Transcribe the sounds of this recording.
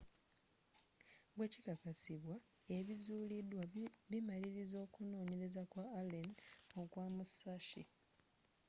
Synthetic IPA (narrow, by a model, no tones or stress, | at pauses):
ɡwe̞cikakasiβwa | e̞βizuːlidwaβimaliɾizo̞ːkuno̞ːɲe̞ɾe̞zakwaːlenokwaːmusaʃḭ